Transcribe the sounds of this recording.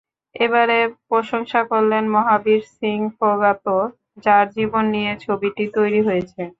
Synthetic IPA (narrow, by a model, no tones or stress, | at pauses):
eβaɾepɾoʃoŋʃakoɾlenmɔɦabiɾsiŋfoɡat̪o | d͡ʑaɾd͡ʑibonːijet͡ɕʰobiʈit̪ojɾiɦojet͡ɕʰe